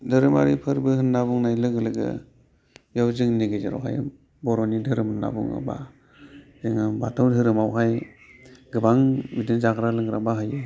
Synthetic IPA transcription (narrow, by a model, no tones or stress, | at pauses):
dɯɾɯma̰ɾipʰɯɾbɯhɯnːabuŋnajlɯɡɯlɯɡɯ̰ | jawzɯŋniɡɯzaɾɔ̰wɦa̰j | bɔɾɔnidʰʱɯɾɯmɯnːa̰bṵŋɯ̰ba̰ | zɯŋɯbatʰawdɯɾɯmawɦaj | ɡɯbaŋmidɯnzaɡɾalɯŋɾabaɦajɯ